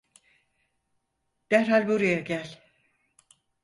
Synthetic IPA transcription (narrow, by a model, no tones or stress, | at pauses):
d̪̥æɾhalʲbuɾajaɟælʲ